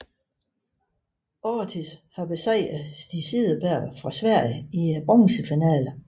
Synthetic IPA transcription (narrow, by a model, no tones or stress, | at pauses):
ɒt͡sʰishɑ̈be̝sɛɪ̰æsd̥isiðˠəb̥æɐ̰fʁɑ̈sʋæɐ̰jəib̥ʁɔŋsəfinɛ̰ːlə